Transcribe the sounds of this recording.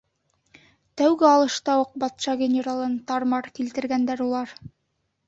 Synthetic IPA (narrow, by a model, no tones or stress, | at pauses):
t̪æwɡɘɑlˠɤ̆ʃt̪ɑwɤq̚bɑt̪ʃɑɡʲɪnʲeɾalˠɤnt̪ɑɾmɑɾkilt̪ɘ̆ɾɡænd̪æɾulˠɑɾ